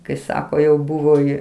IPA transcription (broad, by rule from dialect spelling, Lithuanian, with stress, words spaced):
kɐɪ ˈsɑːkoː jɛʊ ˈbʊʋoː jɪ